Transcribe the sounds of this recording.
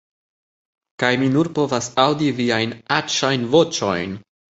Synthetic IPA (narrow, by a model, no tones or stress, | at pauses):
kajminuɾpo̞vasawdiviajnat͡ʃajnvo̞t͡ʃo̞̰jn